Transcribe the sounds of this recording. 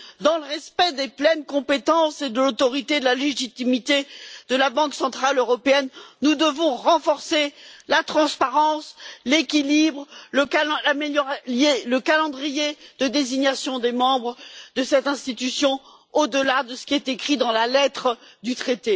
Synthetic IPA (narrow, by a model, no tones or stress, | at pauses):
d̪ɑ̃ləʁɛspɛd̪eplɛnkɔ̃pet̪ɑ̃sed̪əlot̪ɔʁit̪ed̪əlaleʒit̪imit̪ed̪əlabɑ̃ksɑ̃t̪χaløʁɔpeɛnnud̪əvɔ̃ʁɑ̃fɔʁselat̪χɑ̃spaʁɑ̃slekʲilibʁləlameljɔʁajeləkalɑ̃d̪ʁijed̪̥əd̪eziɲasjɔ̃d̪emɑ̃bʁd̪əsɛt̪ɛ̃st̪it̪ysjɔ̃ | od̪əlad̪əsə̥kʲiɛt̪ekχid̪ɑ̃lalɛt̪χəd̪yt̪χet̪e